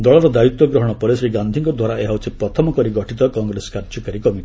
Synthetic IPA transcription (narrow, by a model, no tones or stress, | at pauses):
d̪ɔɭɔɾɔd̪ait̪wɔɡɾɔɦɔɽ̃ɔpɔɾesɔɾeɡand̪ʱiŋkɔd̪ʱwaɾaeɦawt͡ʃʰipɾɔt̪ʰɔmɔkɔɾiɡɔʈʰit̪ɔkɔŋɡɾesɔ̥kaɾd͡ʒɔkaɾikɔmiʈi̥